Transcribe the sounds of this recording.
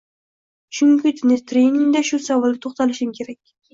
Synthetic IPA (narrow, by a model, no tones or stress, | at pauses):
t͡ʃʰʊŋkʰʲɪt̪ʰnɪt̪ʰɾejnɪŋd̪aʃʊsavɒlˠd̪ɪt̪ʰoχt̪alɪʃɪmkʲʰe̞ɾakʲ